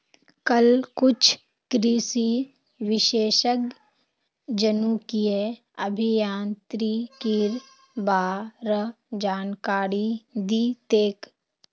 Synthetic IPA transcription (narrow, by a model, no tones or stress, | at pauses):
kəlkʊt͡ʃʰ | kɾiːsi | ʋɪʃeːʃək | d͡ʒənukie | əbʱijãːnt̪ɾikiːɾ | baːɾə | d͡ʒaːnkaːɾid̪iːt̪eːk